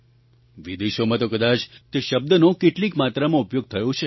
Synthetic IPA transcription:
ʋid̪eʃomãt̪okəd̪at͡ʃt̪eʃəb̚d̪ənõkeʈlikmat̪ɾamãupjoɡ̚t̪ʰəjõt͡ʃʰe

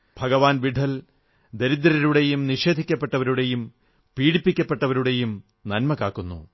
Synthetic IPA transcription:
bʱɐɡɐʋaːnʋiɖʱɐl | d̪eɾid̪ɾɐɾuɽe̞jumniʂe̞ːd̪ʱikʲːɐpːe̞ʈːɐʋɐɾuɽe̞jum | piːɽipːikʲːɐpːe̞ʈːɐʋɐɾuɽe̞jum | nɐnmɐkaːkːunːṵ

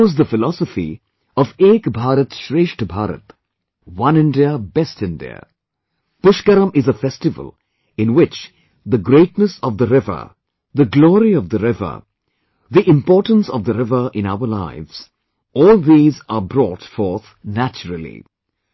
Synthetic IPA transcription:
zðəfɪlɔsəfḭ | ɔveːkbʱaːɾət̪ʃɾeːʃʈbʱaːɾə̰t̪ | wʌ̃nɪ̃nɖiəbɛstɪ̃ndḭə̰ | pʊʃkəɾə̃mʔɪzəfɛstɪvə̰lˠ | ɪ̃nwɪt͡ʃ | d̪əɡɾeːʈnəsɔvd̪əɾɪvə̰˞ | ðəɡlɔːɾiɔvðəɾɪvə̰˞ | ðiʔɪ̃mpɔːʈə̃n̩sɔvd̪əɾɪvə˞ʔɪ̃na̰ʊə˞la̰ɪvz̥ | ɔːlˠðiːzəbɾɔːʈfɔːɾt̪ | næt͡ʃəɾəl̩ḭ

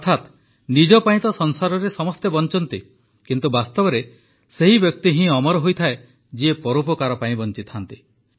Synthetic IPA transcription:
t̪ʰat̪ | nid͡ʒɔpaĩt̪ɔsɔnsaɾɔɾesɔmɔst̪ebɔnt͡ʃɔnt̪i | kint̪ubast̪ɔbɔɾe | seɦibjɔk̚t̪iɦĩɔmɔɾɔɦojt̪ʰae | d͡ʒiepɔɾupɔkaɾɔpaĩbɔnt͡ʃit̪ʰant̪i

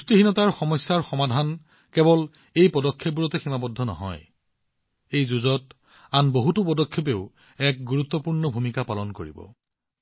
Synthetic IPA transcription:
ustiɦinɔtaɹxɔmɔjsːaɹxɔmadʱan | kɛbɔl | ejpɔdɔkʰːep̚buɹɔtɛximabɔdʱːɔnɔ̰ɦɔ̰j | ejzuzɔt | anboɦutʊpɔdɔkʰːepeʊ | ɛk̚ɡuɹut̪ːɔpuɹnɔbʱumikapalɔnkoɹḭbɔ̰

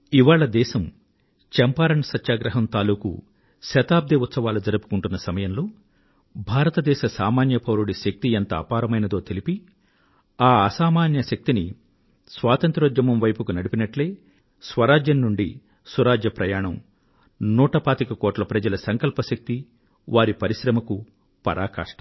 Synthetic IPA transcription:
iʋaːɭɐd̪ɛːʃɐm | t͡ʃɛmpaːɾɐɳɐsɐtːʃaːɡɾɐɦɐmt̪aːluːkṵ | ʃɐt̪aːb̚d̪iut̪sɐʋaːlud͡ʒɐɾupu̥kuɳʈunːɐsɐmɐjɐmloː | bʱaːɾɐt̪ɐd̪ɛːʃɐsaːmaːnjɐpʰɐwɾuɽiʃɐk̚t̪iɐnt̪ɐ̰ːpaːɾɐmɐjnɐd̪o̞ːt̪elipi | aːɐsaːmaːnjɐʃɐk̚t̪ini | sʋaːt̪ɐnt̪ɾod͡ʒ̪jɐmɐmʋɐjpukunɐɽipinɐʈle̞ː | sʋɐɾaːd͡ʒjɐnːuɳɖḭ | suɾaːd͡ʒjɐpɾɐjaːɳɐm | nuːʈɐpaːt̪ikɐkoːʈlɐpɾɐd͡ʒɐlɐsɐŋkɐlpɐʃɐk̚t̪i | ʋaːɾipɐɾiʃɾɐmɐku | pɐ̰ɾʔaːka̰ːʂʈɐ

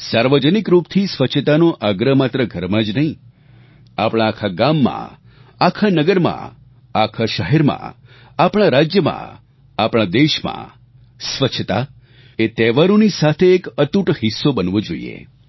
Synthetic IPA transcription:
saɾʋəd͡ʒənikɾupt̪ʰisʋət͡ʃʰət̪anõʔaɡɾəmat̪ɾəɡʱəɾmãd͡ʒnəɦĩ | apɽ̃ãːkʰaɡamːã̰ | akʰanəɡəɾmã̰ | akʰaʃəɦɛɾmã̰ | apɽ̃ãɾad͡ʒjəmã̰ | apɽ̃ãd̪eʃmã̰ | sʋət͡ʃʰt̪a | et̪ɛʋaɾõnisat̪ʰeːkət̪uʈɦisːobənʋõd͡ʒoḭḛ

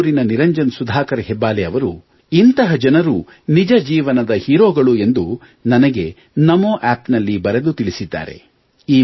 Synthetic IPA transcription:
ɾinɐniɾɐɲd͡ʒɐnsud̪ʱaːkɐɾɐɦɛbːaːlɛɐʋɐɾu | int̪ɐɦɐd͡ʒɐnɐɾu | nid͡ʒɐd͡ʒiːʋɐnɐd̪ɐhiːɾoːɡɐɭue̞nd̪u | nɐnɐɡe̞ | nɐmoːʔæːpnɐlːibɐɾed̪ut̪iɭisid̪ːa̰ːɾḛ | iː

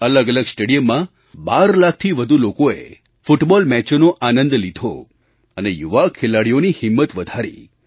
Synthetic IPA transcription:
ələɡələɡsʈeɽijəmːã | baɾlakʰt̪ʰiʋəd̪ʱulokoḛ | fuʈbɔlmɛt͡ʃnoʔanə̃nd̪lid̪ʱo̰ | ənejuʋakʰːelaɽijonihɪmːət̪ʋəd̪ʱaɾḭ

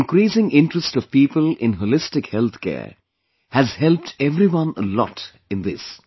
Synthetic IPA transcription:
ɪ̃nkɾiːsɪ̃ŋɪ̃nʈɾəstɔv̥piːpəlɪ̃nɦolɪstɪkhɛlt̪ʰkɛ̰ː | hæzhɛlp̚ʈʰɛvɾiwʌ̃nəlɔ̰t | ɪ̃nd̪ɪs

